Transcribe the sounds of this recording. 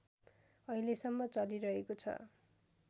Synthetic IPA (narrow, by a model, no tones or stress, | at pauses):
ʌilesʌmːʌt͡sʌliɾʌɦekot͡sʰʌ̰